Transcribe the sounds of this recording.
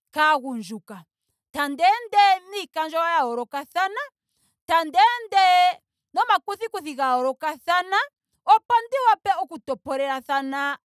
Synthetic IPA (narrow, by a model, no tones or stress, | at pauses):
kaɣund͡ʒuka | tandɛndɛnikand͡ʒɔwajaɔɾɔkaθana | tandɛndɛ | nɔmakuθikuθiɣaɔɾɔkaθana | ɔpandiwapɛɔkutɔpɔɾɛɾaθana